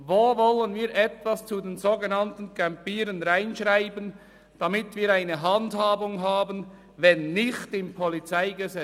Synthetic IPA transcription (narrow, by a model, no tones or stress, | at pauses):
voːvɔlənviːɾʔɛtvast͡sudeːnzoːɡənɑntn̩kʰɛmpiːɾənʁaɪnʃʁaɪbən | d̥amɪtviːɾaɪnəɦɑndhaːbʊŋɦaːbən | vɛnːɪxtɪmpʰɔlit͡saɪɡəzɛ